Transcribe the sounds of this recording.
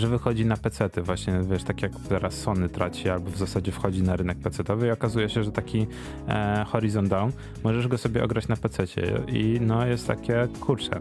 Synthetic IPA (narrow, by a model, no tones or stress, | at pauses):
ʐɛvɘxɔd͡ʑinapɛt̪sɛt̪ɘvwaɕɲɛvʲjɛʂt̪akʲjakt̪ɛɾasːɔnɘt̪ɾat͡ɕialbɔvzasad͡ʑɛfxɔd͡ʑinaɾɘnɛk̚pɛt̪sɛt̪ɔvɘiɔkazujɛɕɛʐɛt̪akʲi | xɔɾizɔnd̪d̪awn | mɔʐɛʐɡɔsɔbʲjɛʔɔɡɾat͡ɕnapɛt̪sɛt͡ɕɛ̰ḭnɔjɛst̪ːa̰kʲɛkʰuɾt͡ʂɛ̰